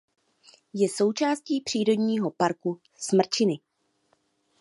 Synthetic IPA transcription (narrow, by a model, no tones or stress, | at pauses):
jɛso̞wt͡ʃaːsciːpr̥iːɾo̞dɲiːɦo̞paɾku | smr̩t͡ʃɪnɪ